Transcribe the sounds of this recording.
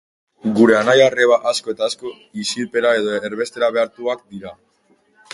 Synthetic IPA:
ɡuɾe̞anajare̞βaʔasko̞e̞t̪aːsko̞ | isilpe̞ɾae̞ðo̞eɾβe̞st̪e̞ɾaβe̞aɾt̪uak̚d̪iɾa

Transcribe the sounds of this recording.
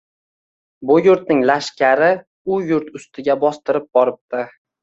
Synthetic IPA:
bʊjʊɾt̪̚nɪŋlaʃkʲʰaɾɪ | ʊjʊɾt̪ʰʊst̪ʰɪɡʲabɒst̪ɪɾɪp̚bɒɾɪp̚t̪ɪ

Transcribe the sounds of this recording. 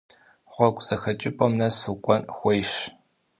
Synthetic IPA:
χʷɔkʷʼz̥ɐxɐt͡ʃʼɪpʼɔmnɐsɨkʷʼɔnxʷɔjʃ

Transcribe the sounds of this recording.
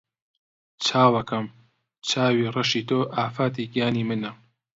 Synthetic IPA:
t͡sʰaːwɐkɐm | t͡sʰaːwiːrɐʃiːt̪oːʔaːfaːt̪̬iːɡijaːniːmɨnɐ

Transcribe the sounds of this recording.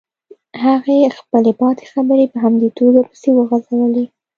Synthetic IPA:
haɣexpəlebɑt̪e̥xabəɾepəɦamd̪et̪oɡ̪apə̥sewəɣazawəle

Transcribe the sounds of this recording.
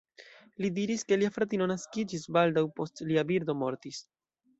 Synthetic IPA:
lidiɾiske̞liafɾatino̞naskid͡ʒisbaldawpo̞stliabiɾd̪o̞mo̞ɾtis

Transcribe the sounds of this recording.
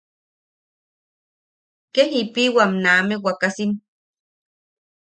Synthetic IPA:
kehipiwamnaːmewakasin

